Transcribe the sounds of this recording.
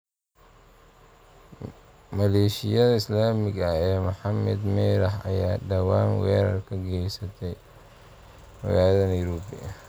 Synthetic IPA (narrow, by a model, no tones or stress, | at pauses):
mɐlɛːʃɪjɐðɐɪslaːmɪɡɐɛːmʊħɑmɛ̰d̪mɛːɾɐħɐ̰jaːdɐwaːnwɛːɾɐrkʰɐɡɛjsɐt̪ʰɛj | mɐ̰jaːjðɐnɐjɾɔːbḭɐ